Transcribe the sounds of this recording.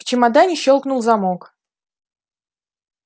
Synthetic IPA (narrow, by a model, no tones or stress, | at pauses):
t͡ɕɪmɐd̪anʲɪɕːolˠknʊlˠzɐmok